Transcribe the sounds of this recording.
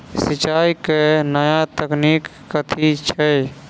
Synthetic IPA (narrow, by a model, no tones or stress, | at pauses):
sit͡ʃaːikenəjat̪əknikːət̪ʰiit͡ʃʰɛ